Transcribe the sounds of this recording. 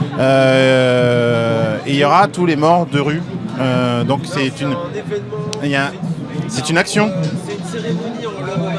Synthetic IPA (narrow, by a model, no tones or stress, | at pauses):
ø | eiljɔʁat̪ulemɔʁd̪əʁyød̪ɔ̃ksɛt̪yn | ɛ̃ | sɛt̪ynaksjɔ̃